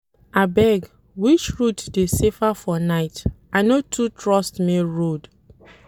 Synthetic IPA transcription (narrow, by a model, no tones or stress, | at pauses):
abɛɡ | wit͡ʃɹutdesefafɔnaɪtaɪnotʰutʰɹɔstmiɹod